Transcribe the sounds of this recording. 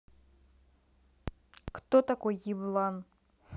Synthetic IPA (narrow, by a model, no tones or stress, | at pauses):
kt̪ɔt̪ɐkɔjiblˠan